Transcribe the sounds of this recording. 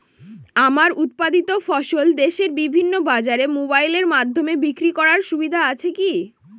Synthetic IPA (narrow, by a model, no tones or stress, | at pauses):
amaɾut̪̚pad̪it̪ofɔʃold̪eʃeɾbibʱinːobad͡ʑaɾemobajleɾmad̪ʱːomebikɾikɔɾaɾʃubid̪ʱaat͡ɕʰeki